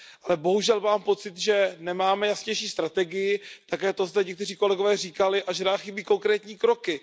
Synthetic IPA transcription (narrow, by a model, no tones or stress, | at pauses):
ʔalɛbo̞ɦuʒɛlmaːmpo̞t͡sɪt̪ʒɛnɛmaːmɛjasɲɛjʃiːst̪ɾat̪ɛɡɪjɪt̪akɛːt̪o̞zd̪ɛɲɛk̚t̪ɛr̝iːko̞lɛɡovɛːriːkalɪʔaʒɛnaːxɪbiːko̞ŋkɾɛːt̪ɲiːkɾo̞kɪ